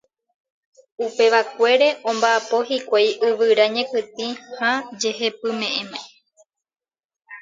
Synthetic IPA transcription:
upe̞ʋakʷe̞ɾe̞ʔõ̞mbaʔapo̞hikʷajʔɨʋɨɾaɲẽ̞pɨt̪ĩhad͡ʒe̞ɦe̞pɨmẽ̞ʔẽmẽ

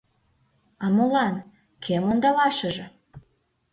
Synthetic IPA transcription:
ɑmolɑn | kʰemond̪ɑβɑʃə̆ʒɤ̆

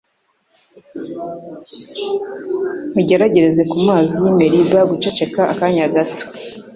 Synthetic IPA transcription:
muɟe̞ɾaɟe̞ɾe̞ze̞kumaːziime̞ɾibaɡut͡ʃe̞t͡ʃe̞kaʔakaɲaɡato̥

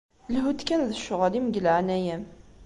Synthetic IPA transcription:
lɦud̪kænðəʃʊʁalimɡəlʕanæjæm

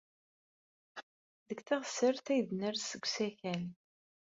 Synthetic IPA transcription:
ðəɡθaʁsəɾθæjðnəɾsəɡʷsæçæl

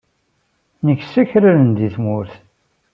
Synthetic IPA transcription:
nəçsæçɾælənd̪iθmʊɾθ

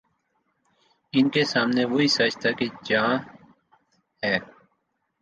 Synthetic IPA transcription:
ɪnkeːsaːmneːʋoiːsəd͡ʒt̪aːket͡ʃãː | hɛː

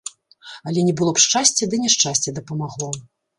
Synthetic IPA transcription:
ɐlʲɛnʲɛbɨlˠɔpʂt͡ʂasʲt͡sʲɛd̪ɨnʲɛʂt͡ʂasʲt͡sʲɛd̪ɐpɐmaɣlˠɔ

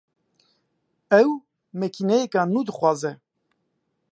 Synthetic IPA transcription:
ɛw | mɛkʰinɛjekaːnuːd̪ɨxwɑːzɛ

